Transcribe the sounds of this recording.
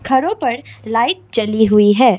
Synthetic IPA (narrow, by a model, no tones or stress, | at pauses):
kʰɐɾõpɐɾlaːɪʈ̚t͡ʃɐliɦʊiɦɛː